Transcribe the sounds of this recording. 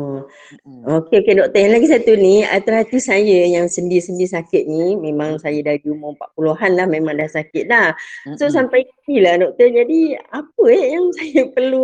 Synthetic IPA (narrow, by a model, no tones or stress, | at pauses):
okeokedɔʔ̚t̪əjanlaɡis̬at̪unia̰t̪əlɦat̪isajəjaŋsəndiɾisəndiisakɪt̪̚nimẽmãŋsajədaɾid͡ʒuməpaʔpuloɦanlahmẽmaŋdahsakɪt̪̚lahsosampajailahdɔʔ̚t̪ərd͡ʒadiapəɛjaŋsajəpərlu